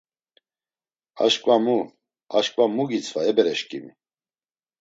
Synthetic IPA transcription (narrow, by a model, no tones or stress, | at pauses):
a̰ʃkʼvamu | aʃkʼvamuɡit͡sʰvaɛbɛɾɛʃkʼimi